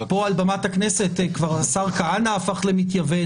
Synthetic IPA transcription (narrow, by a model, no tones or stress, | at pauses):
po̞albamathakne̞se̞tkvaʁasaʁkaanaːfaχlemitjave